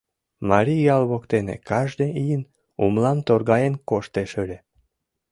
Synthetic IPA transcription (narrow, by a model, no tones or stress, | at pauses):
mɑɾʲijɑlβokt̪enḛkɑʒd̪eijən | umlɑmt̪orɣɑjenkoʃt̪eʃølʲe